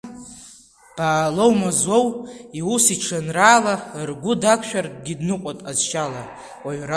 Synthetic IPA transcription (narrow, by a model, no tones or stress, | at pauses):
b̥aːlowmazwo̞wiusiʈ͡ʂʰɨnraːlarɡʷʊdakʷʰʃᶣarɡʲidnɨqʷʼopʼazʃala | waɥra